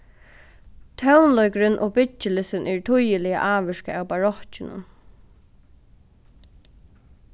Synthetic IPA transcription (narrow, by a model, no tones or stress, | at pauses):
t̪ʰœwnlɔkɾɪnʔɔ̰ːbɪt͡ʃːɪlɪsɪnʔɛɹt̪ʰʊjɪlɪja̰ʔaːʋɪʃka̰awbaɹɔht͡ʃɪnʊ̰n